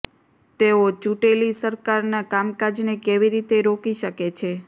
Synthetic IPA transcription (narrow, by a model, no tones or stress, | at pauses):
t̪eot͡ʃuʈelisəɾkaɾnakamkad͡ʒnekeʋiɾit̪eɾokiʃəket͡ʃʰe